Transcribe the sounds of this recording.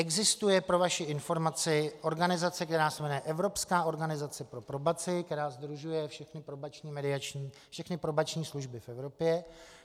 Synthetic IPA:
ʔɛɡzɪst̪ujɛpɾo̞vaʃɪɪnfo̞ɾmat͡sɪʔo̞ɾɡanɪzat͡sɛkt̪ɛɾaːsɛmɛnɛʔɛvɾo̞pskaːo̞ɾɡanɪzat͡sɛpɾo̞pɾobat͡sɪkt̪ɛɾaːzd̪ɾuʒujɛfʃɛxnɪpɾobat͡ʃɲiːmɛdɪat͡ʃɲiː | fʃɛxnɪpɾobat͡ʃɲiːsluʒbɪfɛvɾo̞pjɛ

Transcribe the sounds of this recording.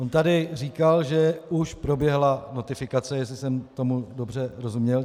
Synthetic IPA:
ont̪adɪr̝iːkalʒɛuʃpɾo̞bjɛɦlano̞t̪ɪfɪkat͡sɛjɛs̬lɪsɛmt̪o̞mudo̞br̝ɛɾo̞zumɲɛl

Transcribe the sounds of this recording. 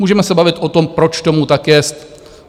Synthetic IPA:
uːʒɛmɛsɛbavɪt̪ʔo̞t̪o̞mpɾo̞t͡ʃt̪omut̪akːɛst̪

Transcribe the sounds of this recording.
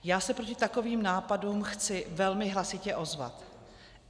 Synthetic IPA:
jaːsɛpɾo̞cɪt̪ako̞viːmnaːpaduːmxt͡sɪvɛlmɪɦlasɪcɛʔo̞zva̰t̪

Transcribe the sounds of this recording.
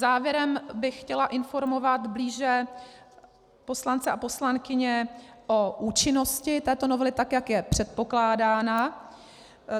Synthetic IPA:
zaːvjɛɾɛmbɪxcɛlaʔɪnfo̞ɾmo̞vat̪bliːʒɛ | po̞slant͡sɛʔapo̞slankɪɲɛʔo̞ʔuːt͡ʃɪno̞scɪt̪ɛːt̪o̞no̞vɛlɪt̪akjakjɛpr̝̥ɛt̪̚po̞klaːdaːna

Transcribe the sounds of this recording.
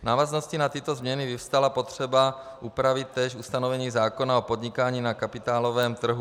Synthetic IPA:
naːvaznoscinat̪ɪt̪ozmɲɛnɪvɪfst̪alapot̪r̝̥ɛba | ʔupɾavɪt̪̚t̪ːɛːʃust̪anovɛɲiːzaːko̞naopod̪ɲɪkaːɲiːnakapɪt̪aːlovɛːmt̪r̩ɦu

